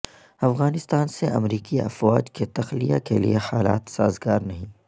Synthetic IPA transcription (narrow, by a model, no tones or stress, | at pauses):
ɐfɣaːnɪst̪aːnseʔɐ̰mɾiːkiɐ̰fɔːd͡ʒket̪ɐxlija̰kelḭehaːla̰ːt̪saːzɡaːɾnɐɦĩː